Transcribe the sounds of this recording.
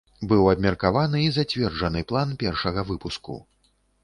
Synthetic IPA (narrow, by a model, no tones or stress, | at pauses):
bɨwɐbmʲɐrkavanɨizat͡sʲvʲɛrd͡ʐɐnɨplˠanpʲɛrʂɐɣɐvɨpuskṵ